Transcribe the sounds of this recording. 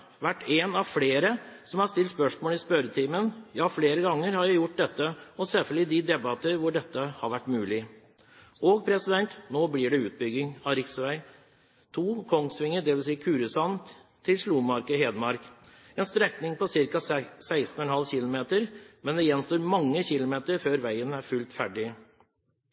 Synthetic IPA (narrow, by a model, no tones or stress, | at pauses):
ʋæʈːeːnɑʋfleːɾəsɔmhɑst̪ɪlt̪spœʂmoːlɪspœɾət̪ʰiːmənjɑːfleːɾəɡɑŋːəɾhɑɾjæɪjʊʈ̚ːd̪ɛt̪ːəɔsɛlfəlɪd̪ɪd̪ɛbɑt̪əɾʋʊɖɛt̪ːəhɑɾʋæʈːmʉːlɪ | oːɡ̚pʰɾɛsɪd̪ɛnt̪noːblɪːɖɛʉːt̪̚bʏɡːɪŋɑɾɪksʋæɪ | t̪ʰuːkʰɔŋsʋɪŋːəd̪ɛʋɪls̬iːəkʰʉːɾəsɑnt̪ʰːɪlʂluːmɑɾkəɦeːd̪əmɑɾk | ɛnst̪ɾɛknɪŋpɔsɪɾkɑsæɪst̪n̩ɔɛnhɑlçɪlʊmeːt̪əɾmɛnd̪ɛjɛnst̪oːɾmɑŋːəçɪlʊmeːt̪əɾføːɾʋæɪənæɾfʉlt̪fæɖɪ